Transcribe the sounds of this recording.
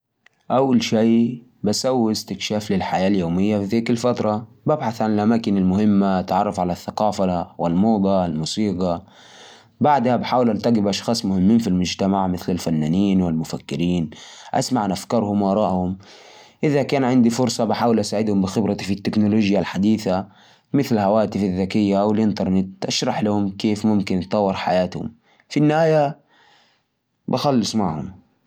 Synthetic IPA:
ʔawːalʃiː | basawːɪst̪ɪkʃaːflɪlħajaːljoːmɪjːafiðiːkalfat̪ɾˤɑ | babħaθʕanɪlʔamaːkɪnɪlmʊhɪmːaʔat̪ʕɑrˤːɑfʕalaθːaqɑːfawɪlmoːd̪ˤɑlmuːsiːɡɑ | baʕd̪habħaːwɪlʔaɾt̪aɡɪbʔɑʃxɑːsˤmʊhɪmːiːnfilmʊd͡ʒt̪amaʕmɪθlɪlfanːaːniːnwɪlmʊfakːɪɾiːnʔa̰smaʕanʔafkɑːɾˤhʊmwʔɑɾˤɑːʔhʊm | ʔɪðakaːnʕɪnd̪ifʊɾsˤɑbaħaːwɪlʔasaːʕɪd̪hʊmbɪxɪbɾɑfit̪ːɪknoloːd͡ʒjalħad̪iːθa | mɪθlhawaːt̪ɪfaðːakɪjːawɪlʔɪnt̪ɑɾˤnɪt̪̚ʔaʃɾˤɑħlahʊmkeːfmʊmkɪnt̪ˤːɑwːɪɾˤħa̰jaːt̪hʊ̰m | finːɪhaːja | baxalːɨsˤmaʕhʊm

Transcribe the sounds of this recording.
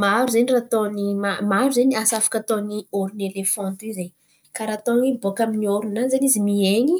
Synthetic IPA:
maɾuzenirat̪onimamaɾuzeɲiasafḁkat̪onioɾunelefɔ̃nt̪ize | kaɾat̪onibokaminioɾunanzanizimieɲi

